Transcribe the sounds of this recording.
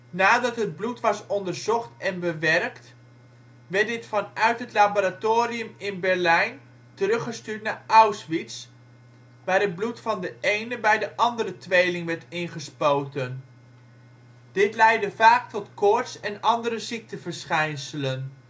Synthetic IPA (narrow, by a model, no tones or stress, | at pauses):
naːdɑtɦəd̚blutʋɑsɔndəɹzɔχtɛnbəʋɛrkt | ʋɛɹt̚dɪtfɑnœɥtɦətlaboːɾatoːɾiəmɪnbɛɹlɛjn | tərɵχəstyːɹtnaːɹɑwsʋits | ʋaːɾɦəd̚blutfɑndəejnəbɛjdəʔɑndəɾətʋejlɪŋʋɛɹtɪnχəspowtən | d̥ɪtlɛjdəvaːk̚tɔtkɔɹtsɛnɑndəɾəzik̚təvəɹsχɛjnsələn